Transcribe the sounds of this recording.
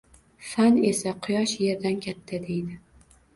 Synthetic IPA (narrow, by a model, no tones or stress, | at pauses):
fane̞saqʰʊjɒʃje̞ɾd̪ankʲʰat̪ʰːad̪e̞jd̪ɪ